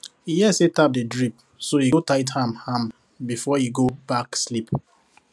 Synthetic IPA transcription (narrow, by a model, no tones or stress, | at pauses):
ijɛsetap̚dedɹip̚ | sojiotaɪthãmhãm | bifɔjiɡobakslip